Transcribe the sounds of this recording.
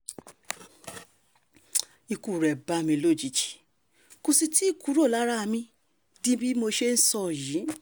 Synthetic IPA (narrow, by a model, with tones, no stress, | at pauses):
i˧ku˨ɾɛ˨ba˧˦˧mĩ˧lo˦˨d͡ʒi˨˦t͡ʃi̥˨ | ko˧si˧ti˦i˦˨ku˨˦ɾo˦˨la˨˦ɾa˦a˧mĩ˧ | dĩ˦bi˦mo˧ʃe˦n̩˦sɔ˧˨jĩ˨˦